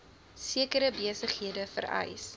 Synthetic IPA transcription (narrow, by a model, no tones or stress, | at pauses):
siəkəɾəbiəsəχɦiədəfə̰ɾɐ̰js